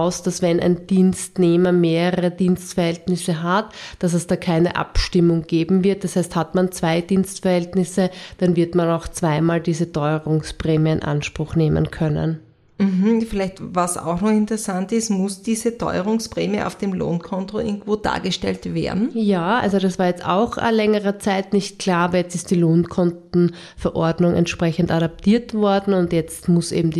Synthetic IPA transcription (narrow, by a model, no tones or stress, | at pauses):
ʊsd̥asvɛnʔæ̰ɪnd̥iːnstneːmɐmeːʁəəʁədiːnstfɛɐhɛltnɪsəɦatd̥as̬ɛsd̥aːkʰaɪnə̰ʔa̰pʃtɪmʊŋɡ̥eːbm̩vɪɐt̚d̥ashæɪsthatmant͡sv̥aɪdiːnstfɛɐhɛltnɪsəd̥anvɪɐtmanaʊxt͡sv̥aɪmaːldiːzətʰɔʏəʁʊŋspʁeːmiəɪnʔa̰nʃpʁ̥ʊxneːmə̰nkʰœnə̰n | m̩ɦm̩fɪlæɪçtvasa̰ʊxnɔχɪntəʁɛsantɪstmʊsd̥iːzətʰɔ̰ʏəʁʊŋspʁeːmiə̰ʔa̰ʊfd̥eːmlo̰ːnkʰɔntoʔɪ̰ɡŋ̩tv̥oːda̰ːɐɡəʃtɛ̰ltvḛːɐdn̩jaːʔa̰lzod̥asv̥aːɐjɛt͡sta̰ʊxlɛŋəʁət͡saɪtnɪçt̚kʰl̥aːɐɐjɛt͡stɪst̚d̥iːloːnkʰɔntn̩ | fɛɐʔɔɐdnʊŋʔɛ̰ntʃpʁ̥ɛçəntaɾap̚tʰiːɐtv̥ɔɐdn̩ʊntjɛt͡stmʊsʔḛːbm̩di